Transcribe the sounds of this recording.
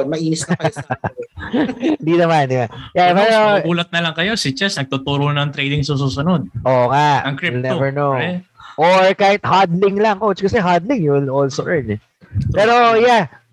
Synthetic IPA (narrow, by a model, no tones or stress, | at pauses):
mɐʔiːnɪsɐ | ɪnd̪inɐmanɪŋajapɛːɾobuːlɐt̪̚nɐlɐŋkɐjo̞sɪt͡ʃɛsnɐɡ̚t̪ut̪uːɾonɐɐŋt̪ɾejd̪ɪŋsɐs̬uːsʊnod̪̚ʔoŋaɐŋkɾlnɛvɛɹnowʔoɹkaːhɪt̪̚haɹd̪lɪŋlɐŋkowt͡ʃkɐsɛɦad̪lɪŋjuwɪlolsoʔɛɹn | ppɛːɾo̞ja